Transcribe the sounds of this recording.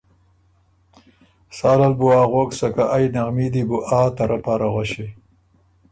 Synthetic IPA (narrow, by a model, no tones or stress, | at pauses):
saːlalbuaːɣoːksakaʔajnaɣmid̪ibuʔaːt̪aɾapaːɾaɣwaɕi